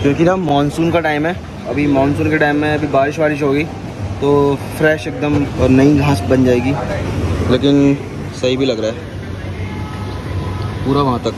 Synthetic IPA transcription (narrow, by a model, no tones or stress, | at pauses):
kjõːkinɐmɔːnsuːnkaʈaːɪmɦɛː | ɐbʱimɔːnsuːnkeʈaːɪmːẽɐbʱibaːɾɪʃbaːɾɪʃ̬ɦoːɡiː | t̪oːfɾɛːʃeːk̚d̪əmɔɾnɐiɡʱaːsbɐnd͡ʒaːeːɡiː | leːkɪn | sɐɦibʱilɐɡɾaːɛː | puːɾaʋɐɦãt̪ɐk